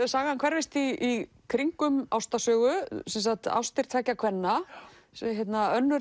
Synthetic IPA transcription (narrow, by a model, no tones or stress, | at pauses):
saːɣahankʰvɛɾvejst̪iː | kʰɾiŋkʏmawst̪asœːɣʏsɛnsat̪a̰wst̪ɪɾ̥t̪ʰaːjcakʰvɛnːa | sçjɛt̪naœnːʏɾ